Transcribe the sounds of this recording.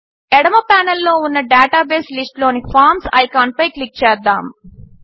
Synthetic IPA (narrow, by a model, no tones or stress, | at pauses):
ɛɽɐmɐpaːnɐlːo̞ːunːɐɖaːʈaːbeːslisʈloːnifaːɾmsɐ̰jkaːɳ̚pɐjklik̚t͡ʃɛːɾd̪a̰ːm